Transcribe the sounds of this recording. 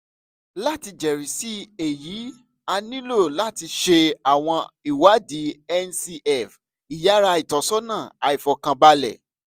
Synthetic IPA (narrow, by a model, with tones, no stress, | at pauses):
la˦˨ti˧d͡ʒɛ˨ɾi˨si˦e˨ji˨˦ | a˧nĩ˦lo˦˨la˦˨ti˧ʃe˧a˨w̃ɔ̃˧i˨wa˨˦di˨˦ɛ˦nsi˧ɛ˨f | i˨ja˨˦ɾa˧i˨tɔ˨˦sɔ˦nãː˦˨a˨i˨fɔ˨kã˧ba˧lɛ̰˨